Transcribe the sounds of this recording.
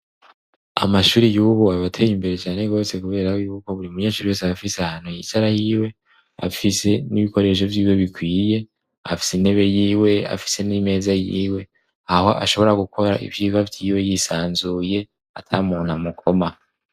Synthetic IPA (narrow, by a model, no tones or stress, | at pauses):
a̰maʃuːɾijuːβuaβatʰejimbe̞ɾe̞t͡ʃaːne̞ɡo̞ːse̞kuβe̞ːɾaojuːko̞βuɾiumuɲeːʃuːɾiwo̞saafisehaːn̥hujḭtaɾajiːwe̞ | a̰fise̞niβiko̞ɾe̞ʃ̬ovjiːwe̞βikwiːje̞ | afi̥sine̞βe̞jiːwe̞a̰fi̥se̞nime̞ːzajiːwe̞ | aho̞ʔa̰ʃo̞βo̞ɾaɡukʰo̞ɾaʔḭvjiːβavjiːwe̞jisaːnzuːje̞ | atʰamuːn̥hamukʰo̞ma